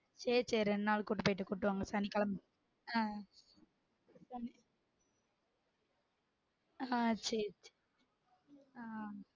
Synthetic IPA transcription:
t͡ʃeːt͡ʃeːɾɛɳɖnaːlkuʈːɯpoːjʈːɯkuʈːɯʋaːŋɡɐsɐnikɐlɐm | aː | sɐni | at͡ʃet͡ʃe | a

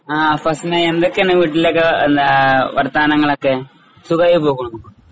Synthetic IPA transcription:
aːfɐsʈinɐend̪okːenːɐʋiːʈːilːekːeend̪aʋɐrt̪aːnɐŋːɐɭokːe | suɣɐjipoːɣuɳumukː

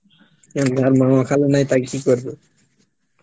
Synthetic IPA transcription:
jand̪ʱaɾmaakʰalenajt̪akkikoɾbe

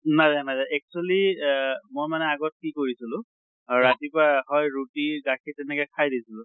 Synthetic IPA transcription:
najzanazaɛk̚t͡ʃuali | mojmanɛaɡɔt̚kikoɹisilʊ̃ | ɹatipaɦɔjɹutiɡakʰitɛnɛkɛkʰajdisilʊ̃

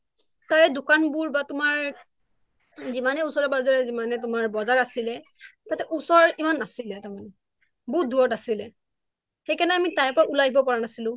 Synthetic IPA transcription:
taɹɛdʊkanbuɹbatʊmaɹ | zimanɛusɔɹɔbazaɹɛzimanɛt̬ʊmaɹbɔzaɹasilɛtatɛʔusɔɹimanːasilɛtaman | buduɹɔtasilɛ | xejkanɛamitaɹpɔɹaʔulaɦibɔpɔɹanasilʊ̃

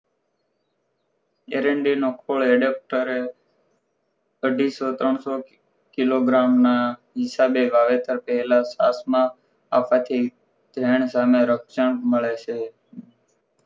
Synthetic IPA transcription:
ḛːɾeːɳɖiːnoːkʰoːɭeːɖeːp̚ʈəɾe | əɖʱiːsoːt̪ɾəɳsoː | kɪloːɡɾaːmnaː | ɦɪsaːbeːʋaːʋeːt̪əɾpəɦlaːsa̰ːsmãː | aːpaːt̪ʰiː | d̪ʱeːɳsaːmẽːɾəkʃəɳməɭeːt͡ʃʰeː

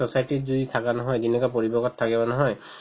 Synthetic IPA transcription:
ɔsajtizuitʰakanɔɦɔjzinɛkapoɹibɔɡɔtʰːakɛbɔnɔɦɔj

